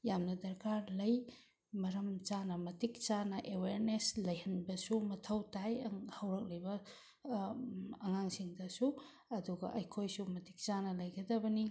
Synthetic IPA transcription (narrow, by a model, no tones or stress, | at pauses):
jamnɐdɐɾkaɾlɐj | mɐɾɐmt͡ʃanɐmɐtik̚t͡ʃanɐʔeweɾneslɐjhɐnbɐsumɐtʰɐwtajhɐwɾɐk̚lɐjbɐ | ɐŋaŋsiŋdɐsu | ɐduɡɐʔɐjkʰojsumɐti̥k̚t͡ʃanɐlɐjɡɐdɐbɐni